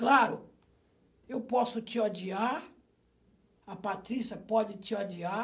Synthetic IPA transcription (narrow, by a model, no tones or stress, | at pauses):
klaɾʊ | ewpɔsʊt͡ʃɪod͡ʒiaɾ | ɐpat̪ɾisjɐpɔd͡ʒɪt͡ʃɪod͡ʒia